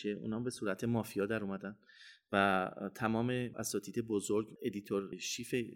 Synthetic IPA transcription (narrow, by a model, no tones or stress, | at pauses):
eʔṵːnɒːmbe̞suːɾæt̪ʰe̞mɒːfijɒːd̪æɾumæd̪ænd̪væt̪ʰæmɒːme̞æ̰sɒːt̪ʰiːd̪e̞bozoɾɡe̞d̪it̪ʰoɾʃiːfe